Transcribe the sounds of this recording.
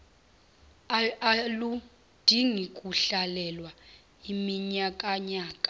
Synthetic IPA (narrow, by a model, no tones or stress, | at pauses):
alu | d̥ʱiŋikʼuɬalɛlwa | imiɲakʼaɲaːkʼḁ